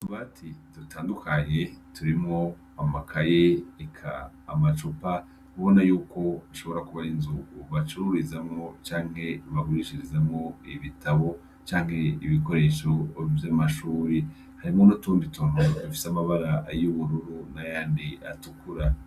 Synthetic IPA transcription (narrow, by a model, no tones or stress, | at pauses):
tuβatʰidutʰaːndukaɲe̞tuɾimŋo̞ | amakʰajeikʰa̰ː | mat͡ʃupa | βo̞najuːko̞iʃo̞βo̞ɾakuβainzukuβat͡ʃuɾuɾizamŋo̞t͡ʃaːŋ̥he̞βaɡuɾiʃiɾizamŋo̞iβitʰaβo̞ | t͡ʃaːŋhe̞iβiko̞ɾe̞ːʃo̞vjamaʃuːɾi | haɾimŋo̞notuːnditumaufi̥samaβaɾajuβuɾuɾunajaːndia̰tukuɾa